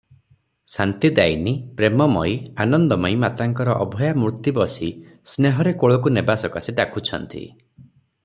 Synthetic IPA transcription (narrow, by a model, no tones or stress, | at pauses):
sant̪id̪ajnipɾemɔmɔjanɔnd̪ɔmɔjmat̪aŋkɔɾɔʔɔbʱɔjamuɾt̪ibɔsi | sneɦɔɾekoɭɔkunebasɔkasiɖakʰut͡ʃʰɔ̰nt̪ḭ